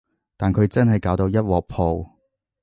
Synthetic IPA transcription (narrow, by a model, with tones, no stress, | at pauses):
t̪aː˨nkʰɵ˨˧ɥt͡sɐ˥nhɐ˨jkaː˨˥wt̪o˧wjɐ˥t̚wɔː˨k̚pʰo˨˧w